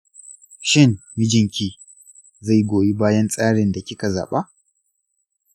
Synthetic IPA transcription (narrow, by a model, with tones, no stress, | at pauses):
ʃɪ˦nmɪ˦d͡ʒɪ˨ŋkʲiː˨ | za˦˨jɡʷoː˨ji˦baː˦jɐ˦nsʼaː˦ɽɪ˨nda˨kʲɪ˦ka˨za̰ː˨ɓa˦